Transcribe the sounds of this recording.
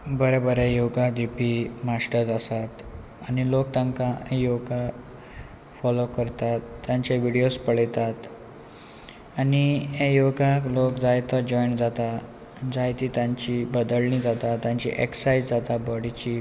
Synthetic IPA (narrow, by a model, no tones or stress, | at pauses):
bəɾɛbəɾejoɡad̪ipimaʂʈəɾd͡zasat̪ | añilok̚t̪ãŋkaẽjoɡa | fɔlokəɾt̪at̪ːjãɲt͡ɕaʋiɽijospəɭjt̪at̪ | aniɦẽjoɡaklokd͡zajt̪əd͡ʑɔjɳd͡zat̪a | d͡zajt̪iːt̪jãɲt͡ɕibəd̪əlɳĩd͡zat̪at̪ːjãɲt͡ɕḭʔeksajd͡zd͡zat̪abəɽit͡ɕi